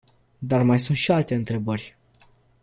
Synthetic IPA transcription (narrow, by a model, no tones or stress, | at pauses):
d̪armajsunt̪ʃialt̪e̞ɨnt̪ɾe̞bərʲ